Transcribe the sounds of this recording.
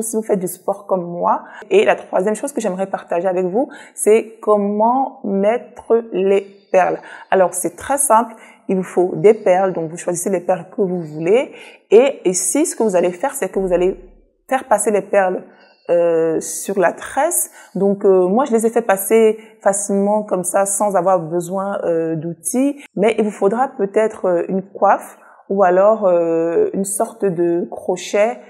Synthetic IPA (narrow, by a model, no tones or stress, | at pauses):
sivufɛt̪̚d̪yspɔʁkɔmːwaelʔat̪χwazjɛmʃozkəʒɛmʁɛpaʁt̪aʒeavɛkvusɛkɔmɑ̃mɛt̪χəlepɛʁlalɔʁsɛt̪χɛsɛ̃pl | ilvufod̪epɛʁld̪ɔ̃kvuʃwaziselepɛʁlkəvuvuleeisisə̥kəvuzalefɛʁsɛkəvuzale | fɛʁpaselepɛʁl | øsyʁlat̪χɛsd̪ɔ̃kmwaʒəlezɛfɛpasefasilmɑ̃kɔmsasɑ̃zavwaʁbəzwɛ̃ød̪ut̪imɛʔilvufod̪ʁapøt̪ɛt̪χøynkwaf | ualɔʁøynsɔʁt̪d̪əkχɔʃɛ